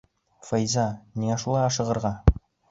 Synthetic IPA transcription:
fɑjzɑniŋæʃulˠɑjɑʃɤ̆ʁɤ̆ɾʁɑ

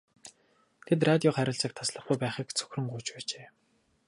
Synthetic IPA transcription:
t̪ʰet̪̬rat̪ʲiɔχæɾʲɪ̆ɮt͡səːk̚t̪ʰasɮə̆χɡujpæːχiːkt͡sʰɵ̥xʲrɵ̆ŋɢuːt͡ɕpæːt͡ɕeː

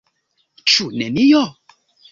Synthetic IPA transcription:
t͡ʃunɛ̃mĩjɔ

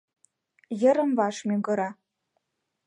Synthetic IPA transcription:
jə̆ɾə̆mvɑʃmʲyɡɤ̆ɾɑ

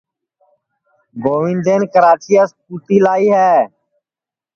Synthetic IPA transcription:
ɡoːʋĩnd̪eːnkəɾaːt͡ʃiːaːspuːʈ̪iːlaːiːɦɛː

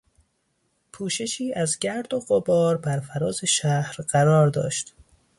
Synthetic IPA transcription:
pʰuːʃe̞ʃiːʔæzɟæɾd̪oɢobɒːɾbæɾfæɾɒːze̞ʃæhɾɢæɾɒːɾd̪ɒ̰ːʃt̪

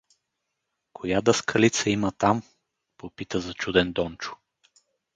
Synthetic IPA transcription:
kʰojad̪ɐskʰɐlit̪səimət̪am | popit̪əzɐt͡ʃud̪ɛnd̪ɔnt͡ʃʊ̥

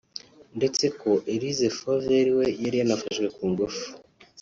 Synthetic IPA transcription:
nde̞t͡se̞koʔeɾizefoveɾiwe̞jaɾijanafaʃɡwe̞kuːŋɡufu̥

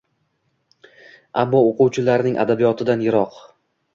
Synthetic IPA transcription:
abːɒoquwt͡ʃʰɪlaɾnɪŋʲʔa̰d̪abijɒt̪ʰɪd̪anjɪɾɒq

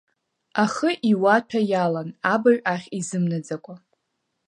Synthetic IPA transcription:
aχəʔiwatʷʰajalanabaɥᶣʼaχʲizɨmnad͡zakʷʼa

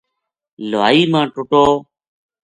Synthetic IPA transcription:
laːiːmãːʈʊʈoː

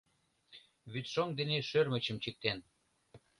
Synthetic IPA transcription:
βyt̪ʃomd̪eneʃørmə̆t͡ɕə̆mt͡ɕək̚t̪en

